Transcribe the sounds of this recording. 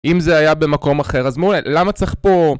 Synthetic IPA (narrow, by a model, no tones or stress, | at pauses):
imzeajabe̞mako̞maχe̞ʁazmeulelamat͡seχpo̞